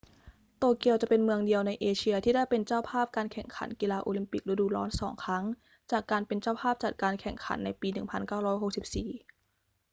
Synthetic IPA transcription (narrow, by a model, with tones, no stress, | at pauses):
t̪oː˧ki˧˩əwt͡ɕa˨˩pe˧nmɯ˧əŋdi˧əwna˧jʔeː˧t͡ɕʰi˧ɐt̪ʰiː˥˩da˥˩jpe˧nt͡ɕaː˥˩wpʰaː˥˩p̚kaː˧nkʰɛ˨˩ŋkʰa̰˩˦nki˧laː˧ʔoː˧li˧mpi˨˩k̚ɾa˧duː˧lɔː˦˥nsɔː˩˦ŋkʰɾa˦˥ŋ | t͡ɕaː˨˩kːaː˧npe˧nt͡ɕaː˥˩wpʰaː˥˩p̚t͡ɕa˨˩t̪̚kaː˧nkʰɛ˨˩ŋkʰa̰˩˦nːa˧jpiː˧nɯ˨˩ŋpʰa˧nkaː˥˩wɾɔː˦˥jɦo˨˩k̚si˨˩p̚siː˨˩